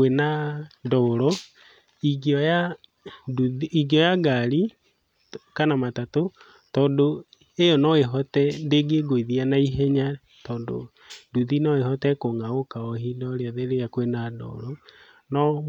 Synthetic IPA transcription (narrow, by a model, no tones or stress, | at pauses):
wenadɔoɾɔ | iɡiɔja | duiɡiɔjaɡaɾi | kanamatato | tɔːndo | ejɔnɔeɦɔtɛndeɡeɡoiðianaiɦɛɲa | tɔːndo̰ | duðinɔehɔtɛkoŋaokaɔɦinɔɾeaðeɾejakwenadɔ̰ɾɔ | nɔ